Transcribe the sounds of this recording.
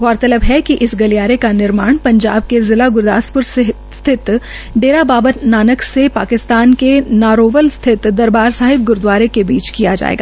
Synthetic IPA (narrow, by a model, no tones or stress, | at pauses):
ɣɔːɾt̪ɐləbɦɛkiʔɪsɡɐlijaːɾekanɪɾmaːɽ̃pɐ̃ɲd͡ʒaːb̚kezɪlaɡʊɾd̪a̰ːspʊɾse | st̪ʰɪt̪ | ɖeːɾabaːbət̪naːnəksepaːkɪst̪aːnkenaːɾoːʋəlst̪ʰɪt̪d̪ɐɾbaːɾsaːɦɪb̚ɡʊɾd̪waːɾekebiːt͡ʃkijad͡ʒa̰ːḛːɡa̰ː